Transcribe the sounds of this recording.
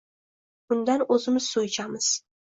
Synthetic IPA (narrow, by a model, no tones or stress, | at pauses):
bʊnd̪anɵzɪmɪz̥sujt͡ʃʰamɪz̥